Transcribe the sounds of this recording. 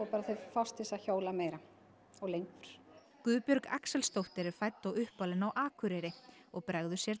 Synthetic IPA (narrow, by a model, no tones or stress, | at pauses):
ɔpaːɾaθefast̪ɪsaçoːwlameːjɾa | ɔɣlejŋkvʏɾ̥ | kʏːpjʏɾka̰ksɛlst̪owht̪ɪɾɪ̥fajt̪ːawʏhpalɪnawʔaːkʰʏɾɛɾɪ | ɔɣpɾaɣðʏsjɛɾ